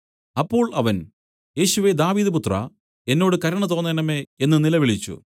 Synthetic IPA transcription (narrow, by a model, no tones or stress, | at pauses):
ɐpːo̞ːɭʔɐʋɐn | je̞ːɕuʋe̞d̪aːʋiːðɐp̬ut̪rɐ̰ | e̞nːo̞ːɽɨkɐɾɐɳɐt̪̬o̞ːnːɐnɐme̞enːɨnilɐʋiɭit͡ɕːṵ